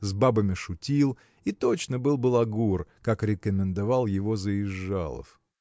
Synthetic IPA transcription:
zbabəmʲɪʂʊtʲilˠ | it̪o̞t͡ɕnəbɨlˠbɨlˠɐɡurkakɾʲɪkəmʲɪnd̪ɐvalˠjɪvo̞zəɪʐːa̰lˠə̰f

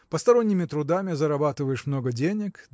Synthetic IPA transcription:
pəst̪ɐɾonʲːɪmʲɪt̪ɾʊd̪amʲɪzɐɾabat̪ɨvəjɪʂmnoɡədʲenʲɪk

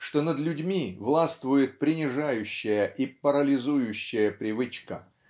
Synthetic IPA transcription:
ʂt̪o̞nəd̪lʲʉdʲmʲivlˠast̪vʊjɪt̪̚pɾʲɪnʲɪʐajʉɕːɪjəʔipəɾəlʲɪzujʉɕːɪjəpɾʲɪvɨt͡ɕkə

